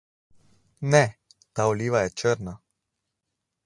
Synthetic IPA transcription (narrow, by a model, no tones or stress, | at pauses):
nɛt̪aːɔliːʋajɛt͡ʃəɾna